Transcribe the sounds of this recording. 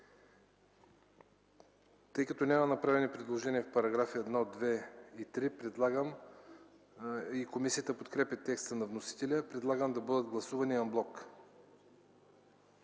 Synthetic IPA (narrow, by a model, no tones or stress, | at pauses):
t̪ɤjkɐt̪ɔnʲamɐnɐpɾavɛnipɾɛd̪lˠoʒɛniəfpɐɾɐɡɾafiɛd̪nɔd̪vɛit̪ɾipɾɛd̪lˠaɡəm | ikomisiət̪əpot̪kɾɛpʲɐt̪ɛkst̪ənɐvnosi̥t̪ɛlʲəpɾɛd̪lˠaɡəmd̪ɐbɤd̪əd̪ɡlˠɐsuvɐniɐmblˠɔk